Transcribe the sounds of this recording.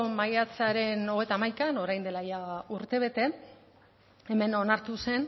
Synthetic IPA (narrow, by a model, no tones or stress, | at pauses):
omajat͡saɾe̞no̞ɣe̞jt̪aːmajkano̞ɾajnd̪e̞lajauɾt̪e̞β̞e̞t̪e̞ | e̞me̞no̞naɾt̪use̞n